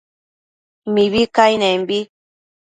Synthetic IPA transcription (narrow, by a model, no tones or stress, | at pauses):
miβikainɛ̃mbi